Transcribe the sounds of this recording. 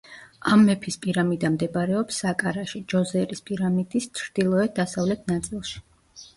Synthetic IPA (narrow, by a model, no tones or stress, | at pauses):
amːɛpʰispʼiɾamid̪amd̪ɛbaɾɛɔpsakʼaɾaʃid͡ʒɔzɛɾispʼiɾamid̪̥ist̪t͡ʃʰɾd̪̥ilˠɔɛd̪asavlɛt̪ʰnat̪sʼilˠʃi̥